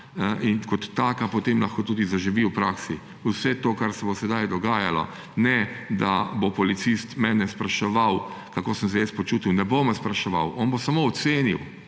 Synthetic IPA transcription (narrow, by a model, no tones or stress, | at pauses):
ʔinkɔt̪ːaːkapɔt̪eːmlaxkot̪uːd̪izaʒiʋiuwpɾaːksi | wsɛt̪oːkaɾsɛbosɛd̪ajd̪ɔɡaːjalɔ̰ | nɛd̪a̰bopɔlit̪sist̪mɛːnɛspɾaʃɛʋawkakoːsəms̬ɛjespɔt͡ʃuːt̪iwnɛbomɛspɾaʃɛʋa̰wɔːnbosamoːt̪seːniw